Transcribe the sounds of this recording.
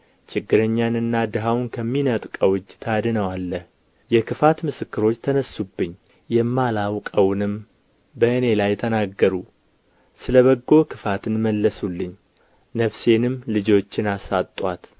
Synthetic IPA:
t͡ʃɪɡːɨɾəɲːanɨnːad̪ɨɦawnkʰəmːinət̪ʼkʼəwɨd͡ʒːt̪ʰad̪ɨnəwalːəh | jɛkʰɨfat̪mɨsɨkːɨɾo̞t͡ʃːt̪ʰənəsːubːɨɲː | jɛmːalawkʼəwnɨm | bəʔɨne̞lajt̪ʰənaɡːəɾu | sɨləβəɡːo̞kʰɨfat̪ɨnməlːəsulːɨɲː | nəfse̞nɨmlɨd͡ʒo̞t͡ʃːɪnasat̪ʼwat̪

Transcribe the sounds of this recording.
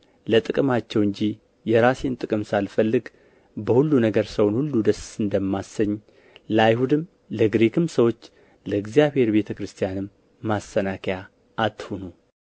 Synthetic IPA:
lət̪ʼɨkʼɨmat͡ʃːɛwɨɲd͡ʒi | jɛɾase̞nt̪ʼɨkʼɨmsalfəlːɨɡ | bəhulːunəɡəɾsəwnhulːud̪əsɨnd̪əmːasəɲː | ləajhud̪ɨm | ləɡɾekʰɨmsəwo̞t͡ʃː | ləɨɡzjaβhe̞ɾbe̞t̪ʰəkɾɨst̪ʰijanɨmː | asːənakʰja | ʔːt̪ːhonu

